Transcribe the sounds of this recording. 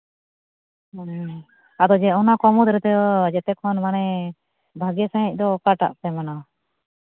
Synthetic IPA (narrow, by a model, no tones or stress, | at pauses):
ad̪ɔd͡ʒɛɔnakɔmɔd̪ɾɛt̪ɛd͡ʒɛt̪ɛkʰɔnmanɛ | bʱaɡɛsaɦɛc̚ˀd̪ɔkaʈa̰ʔpɛmana